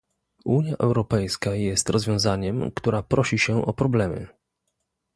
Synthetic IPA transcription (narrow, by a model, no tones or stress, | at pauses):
uɲjaʔɛwɾɔpɛjskajɛst̪ɾʔɔzvʲjɔ̃w̃zaɲɛmkt̪uɾapɾɔɕiɕɛʔɔpɾɔblɛmɘ̰